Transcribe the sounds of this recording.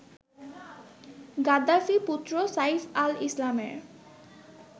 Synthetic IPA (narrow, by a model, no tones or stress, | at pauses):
ɡad̪afiput̪ːɾosajsalislamḛɾ